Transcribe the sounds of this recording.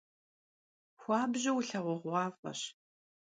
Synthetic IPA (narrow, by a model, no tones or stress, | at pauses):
xʷɑːbʑɪwɬɐʁʷɔʁʷɑːfʼɐ̰ɕ